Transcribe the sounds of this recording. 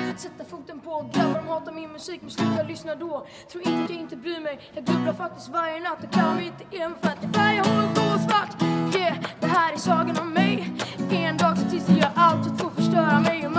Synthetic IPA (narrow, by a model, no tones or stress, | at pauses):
at̪sɛt̪ːafɵk̚t̪ənpʰɔɔɡlœbaɾɔmhɑːt̪amɪnmɵsiːkmɛslʉt̪jɑːɡlʏsnaɖɔ | t̪ʰɾuːɾɪnəat̪jaɪnt̪əbɾyːmɛjjɑːɡlɵblaɾfak̚t̪ɪst̪vaɾjənat̪ːɔkʰalːamɛjɪnt̪ːəemfat̪æjahɔlːəkosvaʈːjɛd̪̥ɛɦæːɾæsɑːɡənɔmːɛjɛnd̪ɑːɡsɔt̪ɪlst̪ɛjɑːʔalt̪ɪt̪foːfœʂʈœːɾamɛjɔm